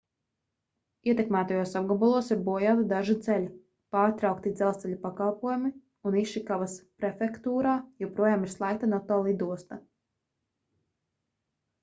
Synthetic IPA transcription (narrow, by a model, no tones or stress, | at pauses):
iɛt̪ʲɛkmæːt̪ajuɔsab̚ɡɔbulˠuɔsiɾbuɔjaːt̪id̪aʒit̪sɛlʲi | paːɾt̪ɾawkt̪id̪zɛlˠst̪sɛlʲupakalˠpuɔjumi | uniʃikavaspɾɛfɛkt̪uːɾaːjɛwpɾuɔjaːmiɾ̥slˠajk̚t̪anɔt̪ɔːlˠid̪uɔst̪a